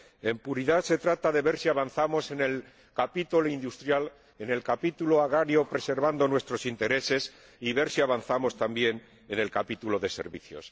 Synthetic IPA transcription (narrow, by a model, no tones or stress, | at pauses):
e̞mpuɾiðase̞t̪ɾat̪aðe̞βe̞ɾsiaβan̟θamo̞se̞ne̞l | kapit̪uloind̪ust̪ɾjal | e̞ne̞lkapit̪uloaɣ̞ɾaɾjo̞pɾe̞se̞ɾβ̞and̪o̞nwe̞st̪ɾo̞sint̪e̞ɾe̞se̞s | iβe̞ɾsiaβanθamo̞st̪ambje̞n | e̞ne̞lkapit̪ulo̞ðe̞se̞̰ɾβḭθjo̞̰s